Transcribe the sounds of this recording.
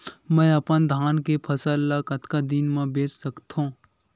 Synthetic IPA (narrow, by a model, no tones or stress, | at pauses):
mə̃jɐpənd̪ʱaːnkepʰəsəlːakət̪kad̪inmãbeːt͡ʃsəkt̪õː